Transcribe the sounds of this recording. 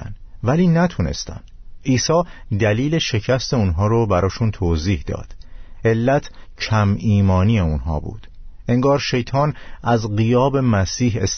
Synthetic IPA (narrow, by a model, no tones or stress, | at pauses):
nvæliːnæt̪ʰune̞̰st̪æ̰nd̪̥ʔiːsɒːd̪æliːle̞ʃe̞cʰæst̪e̞unɦɒːɾobæɾɒːʃunt̪ʰoːziːhd̪ɒ̰ːd̪̥e̞lːæt̪ʰcʰæmiːmɒːniːeunɦɒ̰ːbṵːd̪̥ | e̞ŋɡɒːɾʃe̞jt̪ʰɒːnʔæzɢijɒːbe̞mæsiːɦes